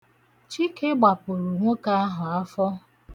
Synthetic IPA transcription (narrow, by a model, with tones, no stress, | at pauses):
t͡ʃi˦ke˦ɡ͡ba˨pʊ˨ɾu˨ŋʷo˦ka˦a˦ɦʊ˨a˦fɔ˦